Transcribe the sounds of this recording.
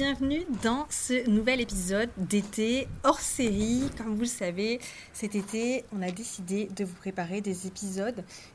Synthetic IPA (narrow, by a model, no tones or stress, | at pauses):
bjɛ̃vnyd̪ɑ̃sənuvɛlepizɔd̪ːet̪eɔʁseʁikɔmvuləsave | sɛt̪et̪eɔ̃nad̪esid̪ed̪əvupχepaʁed̪ezepizɔd̪